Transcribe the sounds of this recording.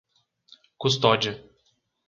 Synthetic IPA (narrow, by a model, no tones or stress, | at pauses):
kust̪ɔd͡ʒɐ